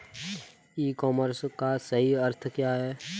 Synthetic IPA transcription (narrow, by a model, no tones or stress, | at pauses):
iːkɔːməɾskasəɦiəɾt̪ʰkjaːɦɛː